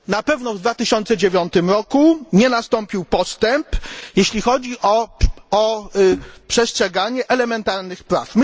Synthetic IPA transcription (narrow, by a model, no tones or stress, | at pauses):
napɛvnɔvd̪vat̪ɘɕɔnt̪sɛd͡ʑevʲjɔnt̪ɘmɾɔkuɲɛnast̪ɔmpʲiwpɔst̪ɛmpjeɕlʲixɔd͡ʑiʔɔɔ | pʂɛstʂɛɡaɲɛʔɛlɛmɛnt̪aɾnɘxpɾafm